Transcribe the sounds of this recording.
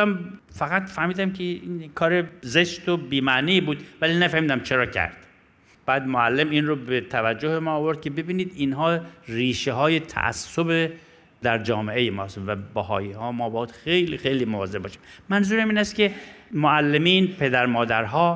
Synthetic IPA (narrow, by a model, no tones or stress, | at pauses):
m | fæɣæt̪fæhmiːd̪æmkʰeinkʰɒːɾezeʃt̪obiːmæʔniːbuːd̪vælinæfæhmiːd̪æmt͡ʃʰe̞ɾɒːcʰæ̰ɾd̪̥ | b̥æːd̪moælːemiːnrobet̪ʰævæd͡ʒːohemɒːvo̞ɾd̪̥̚kʰʲebe̞biːniːd̪inɦɒːriːʃeɦɒːje̞t̪ʰæ̰ʔæ̰sːobe | d̪æɾd͡ʒɒːme̞ʔejemɒːst̪væbæhɒ̰ːiːhɒːmɒːbɒːd̪xejlixejliːmovɒːze̞b̚bɒːʃiːmmænzuːɾæmiːnæst̪kʰe̞moælːemiːnpʰe̞d̪æɾmɒːd̪æɾɦɒː